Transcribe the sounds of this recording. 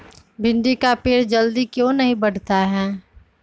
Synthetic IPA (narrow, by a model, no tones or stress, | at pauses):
bʱɪ̃nɖikapeːɾd͡ʒəld̪ikjõːnəɦĩbəɽ̤t̪aɦɛː